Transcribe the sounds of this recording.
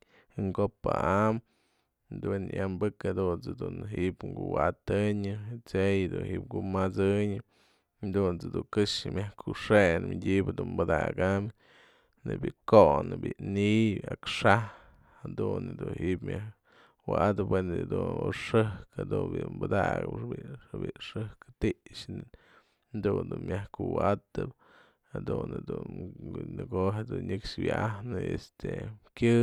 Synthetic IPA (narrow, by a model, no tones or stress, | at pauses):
hɨŋɡopaʔam | d̪wenjʔambɨkhad̪unt͡sɨd̪unɦiʔbŋɡuwat̪ɨɲɨt͡sejd̪ṵnhiʔp̚ɡumat͡sɨɲɨ | d̪unt͡sɨd̪uŋkɨʂɨmʲjahkʰuʂenmedʲibd̪unbɨd̪a̰ɡam | nebʲiʔkoʔnɨbiniakʂah | had̪und̪unhiʔpmʲah | waʔad̪ɨpwend̪unoʂɨhkhad̪unbimbad̪aɡɨ̰pʂbiɨbḭʔʂɨhkɨ̥t̪iʔʂn | d̪und̪unmjahkuwat̪ɨp | had̪unɨd̪unnɨɡoɦed̪unɲɨkʂwiʔahnɨest̪ekʲɨ